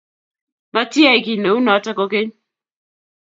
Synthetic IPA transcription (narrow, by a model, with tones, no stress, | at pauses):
ma˦tja˦˨i˨ki˨ne˨u˦nɔ˨a˦tɛ˦kɔ˦ke˦ɲ